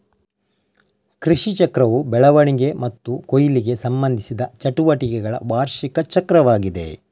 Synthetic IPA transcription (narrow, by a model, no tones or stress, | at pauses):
kɾiʂit͡ʃɐkɾɐʋubɛɭɐʋɐɳiɡe̞mɐt̪ːukojiliɡe̞sɐmbɐnd̪ʱisid̪ɐt͡ʃɐʈuʋɐʈikɛɡɐɭɐ̰ʋaːɾʃikɐt͡ʃɐkɾɐʋaːɡid̪e̞̰